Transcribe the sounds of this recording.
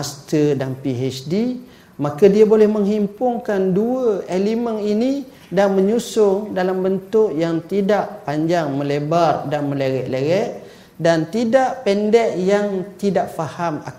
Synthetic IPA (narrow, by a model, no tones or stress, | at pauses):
ast̪ədanpiɦɛt͡ʃdi | makadiabolɛhməŋɦimpʊŋkanduəeliməninĩ | danməɲusʊŋdalambənt̪ʊʔjaŋt̪idaʔpaɲd͡ʒaŋmə̃lebardanmə̃leɣɛʔleɣɛʔ | dant̪idaʔpɛndɛʔjaŋt̪idaʔfahama̰